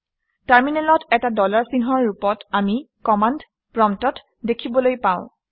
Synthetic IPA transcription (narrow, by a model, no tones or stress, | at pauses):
taɹminɛlɔtɛtadɔlaɹsinɦɔɹːupɔtami | kɔmand | pɹɔmtɔt | dekʰibɔlojpãʊ̃